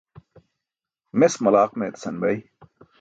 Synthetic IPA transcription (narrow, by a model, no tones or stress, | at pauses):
mesmɐlaːqmeːt̪sɐnbɐj